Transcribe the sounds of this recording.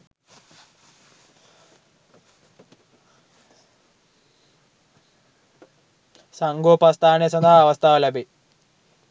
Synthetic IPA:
sɐŋɡoːpɐst̪ʰaːnesɐnd̪ʱaɦːʋɐst̪ʰaʋɐlɐbi

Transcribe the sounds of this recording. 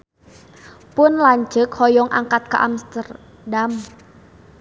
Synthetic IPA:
pʊnlaɲd͡ʒəkhɔjɔŋʔaŋkat̪̚kaʔamst̪ər | dam

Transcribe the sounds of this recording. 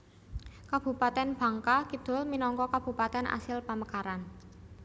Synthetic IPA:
kab̥ṳpat̪ɛnb̥ä̤ŋkakid̪̥o̤lminɔŋkɔkab̥ṳpat̪ɛnʔa̰sɪlpaməkaɾan

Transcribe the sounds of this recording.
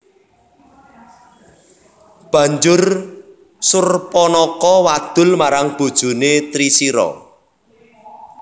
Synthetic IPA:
b̥ä̤ɲd͡ʒʊr | sʊrpɔnɔkɔwad̪̥ʊ̤lmaɾaŋb̥o̤d̥ʒ̥ṳnet̪ɾisiɾɔ̰

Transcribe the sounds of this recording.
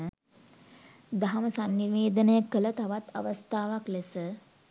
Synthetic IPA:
ə | d̪aɦaməsanːiʋeːd̪ənəjəkələt̪aʋat̪a̰ʋəst̪ʰaːʋaklesə

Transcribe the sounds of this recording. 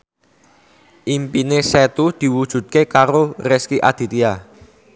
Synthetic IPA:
ʔimpinesɛt̪ud̪̥i̤wud̥ʒ̥ṳt̪̚kekaɾoreskiʔa̰d̪̥i̤t̪ia

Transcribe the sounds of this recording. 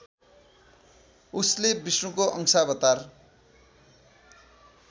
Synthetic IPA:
uslebismukoʔʌŋsabʌt̪ar

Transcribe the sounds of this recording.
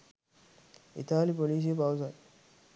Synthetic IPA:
ʔḭt̪aːlipoliːs̬ipawza

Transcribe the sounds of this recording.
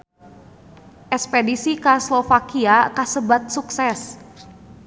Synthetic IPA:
ʔɛkspedisikaslofakiakasəbat̪̚suksɛs

